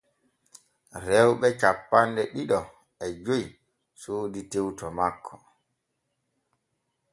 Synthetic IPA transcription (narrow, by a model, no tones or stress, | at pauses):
ɾɛwɓɛt͡ʃapːandɛɗiɗɔ | ɛd͡ʒoj | soːditewtɔmakʰːɔ̥